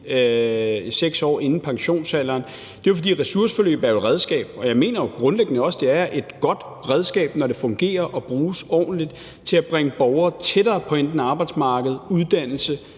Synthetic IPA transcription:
seɡ̥sɒ̰ːe̝nn̩pʰɑ̈ŋɕo̝̰ːnsælɐːn | d̥e̝jo̝fɒ̽d̥ḭːʁɛsuɐsə̥fɒ̽lø̰ːb̥æɐjoʁɛð̞ˠsɡ̥ɛ̰ːb̥̚ɒ̽jɑ̈ɪme̝̰ːnɐjoɡ̥ʁɔ̽nleɡ̥ənəɒ̽sd̥e̝æɐʔe̝d̥ɡ̥ɒ̽d̥ | ʁɛð̞ˠsɡ̥ɛ̰ːb̥nɒɾ̥e̝fɔ̽ŋɡ̥e̝̰ːɐʔɒ̽b̥ʁuːsɒ̰ːn̩lid̥ | t͡sʰe̝læb̥ʁeŋəb̥ɒʊɐːt͡sʰeɾɐːpʰɒ̽end̥n̩ɑ̈ːb̥ɑ̈ɪd̥smɑ̈ːɡ̥əð̞̩ˠuðˠd̥æn̰l̩sə

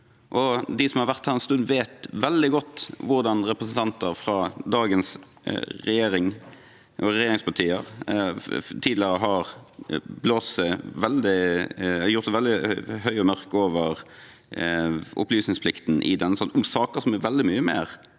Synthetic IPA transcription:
ʔɔd̪ɪsɔmhɑɾʋæʁt̪hæːɾɛnst̪ʉnd̪ʋeːt̪ʋɛld̪ɪɡɔt̪ːʋʊɾd̪ɑnɾɛpɾəsənt̪ʰɑnt̪əɾfɾɑd̪ɑːɡəns | ɾɛjeːɾɪŋ | ʔɔɾɛjeːɾɪŋspʰɑt̪ʰiːəʁ | t̪ʰiːd̪ləɾəɦɑʁ | bloːsəʋɛld̪ɪ | jʊɾt̪sɛʋɛlɪhœʏɔmœʁkoːʋəʁ | ʔʊ̰plyːsnɪŋspʰlɪkt̪n̩ʔɪ̰d̪ɛnːəsɑnt̪ʊmsɑːkəsɔmɛʋɛld̪ɪmyːəmḛːʁ

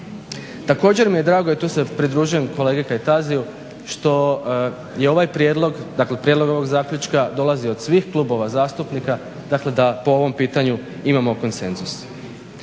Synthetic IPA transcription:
t̪ako̞ːd͡ʑe̞ɾmije̞d̪ɾaːɡo̞et̪uːse̞pɾid̪ɾuːʒuje̞mko̞le̞ːɡekajt̪aziju | ʃt̪o̞ | jeo̞ʋajpɾjeːd̪lo̞ɡd̪akle̞pɾjed̪lo̞ɡo̞ʋo̞ɡzaːkʎut͡ʃkad̪o̞lˠazio̞d̪sʋiːxklˠubo̞ʋazaːst̪upnika | d̪akle̞d̪apo̞o̞ʋo̞mpiːt̪aɲu | imamo̞ko̞nse̞nzus

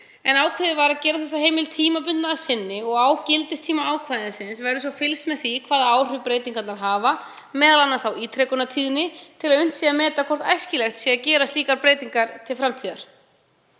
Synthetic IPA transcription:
ɛnaːwkʰvɪðɪvaɾaðcɛːɾaθɛs̬ːaɦejmɪlt̪ʰiːmap̬ʏnt̪naːsɪnːɪɔɣaːwcɪlt̪ɪst̪ʰiːmaaːwkʰvaːðɪnsɪnsvɛɾʏs̬ɔfɪlsmɛðθikʰv̥aːðaaːwr̥ʏpɾeːjt̪iŋkat̪naɾɦaːva | mɛːðalanːasawiːt̪ʰɾɛkʏnat̪ʰiːðɪnɪt̪ʰɪlaðʏn̥t̪siːɣamɛːt̪akʰɔr̥t̪ajscɪlɛxt̪siaðcɛːɾast̪liːkaɾpɾeːjt̪iŋkaɾ̥t̪ʰɪlfɾamt̪ʰiːðaɾ̥

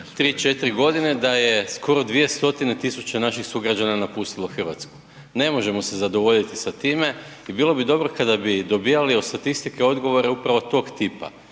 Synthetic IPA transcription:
t̪ɾiːt͡ʃe̞t̪ɾiɡo̞d̪ine̞d̪ajesko̞ɾo̞d̪ʋije̞st̪o̞t̪ine̞t̪isut͡ɕenaʃixsuɡɾad͡ʑananapust̪ilˠoxr̩ʋa̰t̪sku̥ | ne̞mo̞ʒe̞mo̞se̞zad̪o̞ʋo̞ʎit̪isat̪iːme̞ | ibiːlˠo̞bid̪o̞bɾo̞kad̪abid̪o̞bijaliost̪at̪ist̪ike̞o̞d̪ɡo̞ʋo̞ɾeupɾaʋo̞t̪o̞ːɡt̪iːpa̰

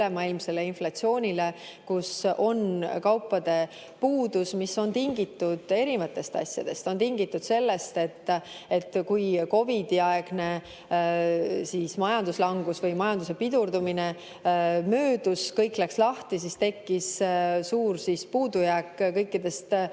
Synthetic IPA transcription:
emɑilmse̞lːeinflɑt̪sio̞ːnʲile̞ | kusʔo̞nkɑwpːˑɑd̪̥e̞ | puːd̪̥usmisːo̞nt̪iŋɡ̥it̪ːud̪̥e̞ɾivɑt̪ːˑe̞st̪ɑ̰sʲjɑ̰d̪̥e̞st̪o̞nt̪iŋɡ̥it̪ːˑud̪̥se̞lːe̞st̪e̞t̪ːe̞t̪ːkujko̞vid̪̥iɑeɡ̥ne̞ | siːsmɑjɑnd̪uslɑŋɡ̥usvɤjmɑjɑnd̪use̞pid̪urd̪umine̞ | møːd̪uskɤjkːˑlækslɑht̪is̬ist̪e̞kːissuːrsispuːd̪ujækːkɤjkːid̪e̞st̪

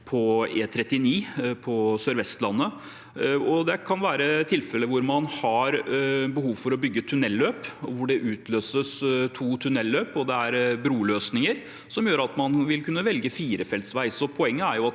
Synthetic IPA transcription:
pʰɔeːt̪ʰɾɛt̪ːɪniːpʰɔsøːɾʋɛst̪lɑnːə | ɔd̪ɛkʰɑnʋæːɾət̪ʰɪlfɛləʋʊɾmɑnhɑɾbəɦuːʋfɔɾɔbʏɡːət̪ʰʉnɛlːøːpɔʋʊɖɛʔʉːt̪ʰløːsəst̪ʰuːt̪ʰʉnɛlːøːpɔd̪ɛæɾbɾuːløːsnɪŋəɾ | sɔmjøːɾɑt̪mɑnʋɪlkʰʉnːəʋɛlɡəfiːɾəfɛlt̪sʋæɪsɔpʰɔɛŋːəæɾjʊɑt̪

